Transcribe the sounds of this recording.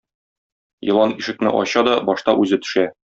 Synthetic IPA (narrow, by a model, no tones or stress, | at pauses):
jɤ̆lˠɑniʃɘ̆k̚nɘ̰ʔɒ̰ɕɑd̪ɒbɒʃt̪ɑʔʉzɘt̪ɵ̥̆ʃæ